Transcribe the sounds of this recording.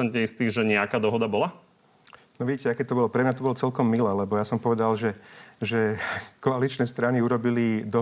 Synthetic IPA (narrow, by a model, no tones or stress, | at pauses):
ɛnt̪ɲɛist̪iːʒɛɲɛakaːd̪ɔɦɔd̪abɔla | nɔʋiɟiːcɛakɛːt̪ɔbɔlɔpɾɛmɲat̪ɔbɔlɔt͡sɛlkɔmːilɛlɛbɔjasɔmpɔʋɛd̪alʒɛʒɛkɔalit͡ʃnɛst̪ɾaniuɾɔbilid̪ɔ